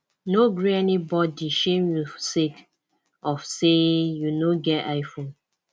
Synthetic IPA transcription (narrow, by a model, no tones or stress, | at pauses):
noɡɹiɛnibɔdiʃẽmjusek | ɔfsejunoɡɛtaɪfõn